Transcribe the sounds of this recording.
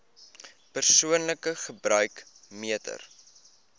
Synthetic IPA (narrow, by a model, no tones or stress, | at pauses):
pərsuənləkəχəbrœɥk | miətə̰r